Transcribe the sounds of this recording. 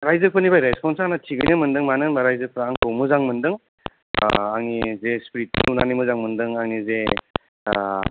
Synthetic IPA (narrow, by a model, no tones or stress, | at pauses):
ɾajzɯk̚pʰɯnibajɾespʰɔnsanatʰiɡɯjnɯmɯndɯŋmanɯnbaɾajzɯk̚pʰɯɾaŋtʰowmuzaŋmɯndɯŋ̰ | aŋnizespɾit̚kʰɯ̰nunanimɯzaŋmɯndɯŋaŋnize